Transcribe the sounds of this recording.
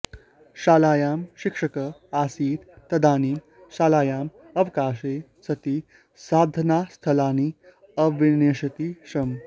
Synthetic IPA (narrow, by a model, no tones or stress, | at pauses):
ʃaːlaːjaːmɕikʂəkəaːsiːɾ | t̪ɐd̪ʱaːniː | ʃaːlaːjaːm | ɐʋkaːʂeː | sɐt̪iː | saːd̪ʱɐnaːst̪ʰɐlaːni | ɐʋineːʂɐt̪iʂɐm